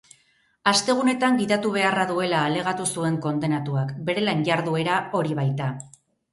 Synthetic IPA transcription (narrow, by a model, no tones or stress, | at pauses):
ast̪e̞ɣ̞une̞t̪aŋɡiðat̪uβ̞e̞araðue̞laːle̞ɣ̞at̪usue̞ŋko̞nd̪e̞nat̪uakbe̞ɾe̞laɲɟaɾðue̞ɾao̞ɾiβajt̪a